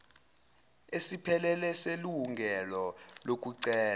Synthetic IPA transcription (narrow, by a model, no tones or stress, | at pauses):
esipʰɛlɛlɛseluŋɡʱɛlɔlok̬ʼuǀɛː